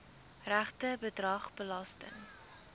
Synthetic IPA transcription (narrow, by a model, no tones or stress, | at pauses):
ræχtəbədrɐχbəlɑstə̰ŋ